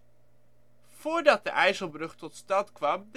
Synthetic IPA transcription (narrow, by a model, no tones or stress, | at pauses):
v̥ʊːɹdɑt̚dəʔɛjzəlˠbrɵχtɔtstɑntkʋɑmd